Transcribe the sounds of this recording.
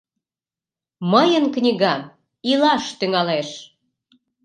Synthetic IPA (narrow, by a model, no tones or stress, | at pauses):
məjənknʲiɣɑ | ilɑʃt̪yŋɑleʃ